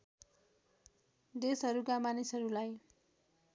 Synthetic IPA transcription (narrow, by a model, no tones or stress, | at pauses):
d̪esɦʌɾukamanisɦʌɾulaj